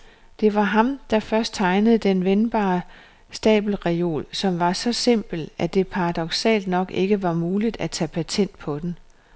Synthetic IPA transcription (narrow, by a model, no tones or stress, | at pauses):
d̥e̝ʋɑ̈ɦɑ̈md̥ɑ̈fɶɐsd̥̚t͡sʰɑ̈ɪnəð̞̩ˠd̥enʋenb̥ɑ̰̈ː | sd̥ɛ̰ːb̥l̩ʁɛo̝̰ːlsɒ̽mʋɑ̈sɒ̽se̝m̰b̥l̩æd̥e̝pʰɑ̈ʁɑ̈d̥ɒ̽ɡ̥sɛ̰ːld̥nɒ̽ɡ̥e̝ɡ̥əʋɑ̈muːlid̥æt͡sʰɛ̰ːpʰæt͡sʰen̰d̥̚pʰɒ̽d̥en